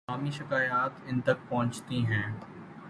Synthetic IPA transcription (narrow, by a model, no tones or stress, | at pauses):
aːmiʃɪkaːjaːt̪ɪnt̪ɐk̚pɐɦʊ̃nt͡ʃt̪iɦɛ̃ː